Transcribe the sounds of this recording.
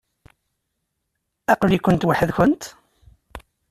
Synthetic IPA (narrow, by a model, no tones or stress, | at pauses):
æqlikʊnt̪waħəðçʊnt̪